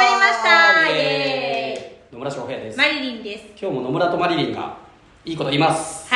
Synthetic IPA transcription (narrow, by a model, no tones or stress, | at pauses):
aɾʲimaɕtt̪a | nomɯɾaɕoɸejad̪e̞smaɾʲiɾʲĩnd̪eskʲo̞ːmo̞no̞mɯ̟ɾat̪o̞maɾʲiɾʲĩŋɡa̰ | iːko̞t̪o̞imasɨ̥